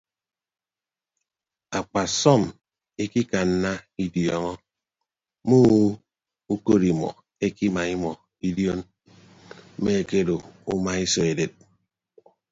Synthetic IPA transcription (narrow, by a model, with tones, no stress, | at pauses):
a˨k͡pa˨sɔ˦˨m | e˦ki˦ka˨n̩˦na˦i˦djɔ˨ŋɔ˦ | mu˦ | u˦ko˦ɾi˨mɔ̰˨ | e˦ki˦ma˨i˦mɔ˨ | i˦djo˦n˦ | me˦e˨ke˦do˨u˦ma˦i˦sɔ˨e˨de˨t̚